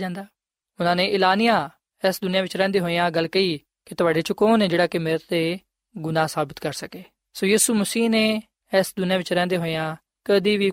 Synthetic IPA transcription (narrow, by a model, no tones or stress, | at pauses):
d͡ʒãːnd̪aː | ʊnãːnẽːʔɪlaːnɪjãː | ɛsd̪ʊnɪjãːʋɪt͡ʃɾɛ̃ːnd̪eːɦoːjãːɡəlkəiː | kɪt̪ʊaːɖeːt͡ʃəkoːneːd͡ʒeːɽaːkɪmɪɾət̪ːeː | ɡʊnãːsaːbɪt̪kəɾsəkeː | soːjiːsuːməsiːneː | ɛsd̪ʊnɪjãːʋɪt͡ʃɾɛ̃ːnd̪eːɦoːejãː | kəd̪iːʋiː